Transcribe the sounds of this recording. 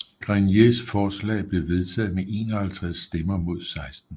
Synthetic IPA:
ɡ̥ʁanjesfɒːslɛ̰ːb̥le̝ʋe̝ð̞ˠt͡sʰɛ̰ð̞̩ˠmeʔe̝̰ːnɐhælt͡sʰʁasːd̥emɐmo̝ð̞̰ˠsɑ̈ɪsd̥n̩

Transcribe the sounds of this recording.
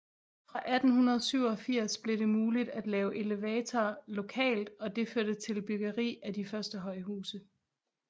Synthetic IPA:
fʁɑ̈ʔæd̥n̩hunɐð̞ˠsyʊ̰ɒ̽fiɐ̰sb̥le̝d̥e̝muːlid̥æd̥lɛːʊʔe̝leʋɛːt͡sʰɒːlo̝kʰɛ̰ːld̥ɒ̽d̥e̝føɐ̰d̥ət͡sʰe̝lb̥yɡ̥ɐʁḭːædifɶɐsd̥əɦɒ̽ɪɦuːsə

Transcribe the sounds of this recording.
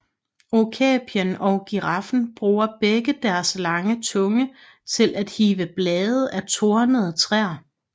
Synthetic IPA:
okʰɛːb̥iənɒ̽ʊɡ̥iʁɑ̈fn̩b̥ʁuːɐb̥eɡ̥əd̥æɐslɑ̈ŋət͡sʰɔ̽ŋə | t͡sʰe̝lʔæd̥hiːʋəb̥lɛːð̩ˠæt͡sʰo̝ɐnəð̞̩ˠt͡sʰʁɛɐ̰

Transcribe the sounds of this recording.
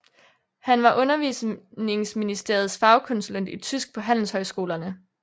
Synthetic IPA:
hænʋɑ̈ʔɔ̽nɐʋḭːsne̝ŋsminisd̥e̝̰ɐð̞̩ˠsfɑ̈ʊkʰɔ̽nsulen̰d̥it͡sʰysɡ̥̚pʰɒ̽ɦæn̰l̩shɒ̽ɪsɡ̥o̝̰ːlɐnə

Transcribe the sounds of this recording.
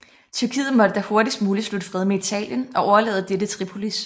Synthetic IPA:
t͡sʰyɐkʰḭːð̩ˠmɒ̽d̥əd̥æho̝ɐd̥isd̥muːlislud̥əfʁɛð̞ˠmeit͡sʰɛ̰ːljənɒ̽ʔɒʊɐlḛːð̞ˠd̥edət͡sʰʁipʰo̝lis

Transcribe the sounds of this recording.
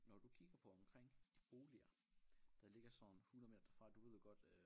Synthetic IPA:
nɒd̥ukʰiɡ̥ɐpʰɒ̽ɒ̽mkʰʁeŋ̰b̥o̝ːliɐ | d̥ɑ̈le̝ɡ̥ɐsɒ̽nhunð̩ˠme̝dɐd̥ɐfʁɑ̈d̥uʋe̝ð̞ˠjoɡ̥ɒ̽d̥

